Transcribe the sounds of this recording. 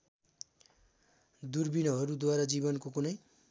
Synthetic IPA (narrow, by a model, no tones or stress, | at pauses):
d̪urbinʌɦʌɾud̪waɾad͡zibʌnkokunʌj